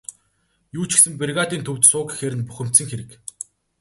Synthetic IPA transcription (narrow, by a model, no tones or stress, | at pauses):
juːt͡ɕʰɪ̥̆ksɘ̆mp̬erɣaːt̪iːnt̪ʰɵwt̪sʊːkxeːɾɘ̆npuxʲɘ̆m̥t̪sɘ̆ŋxeɾɘ̆k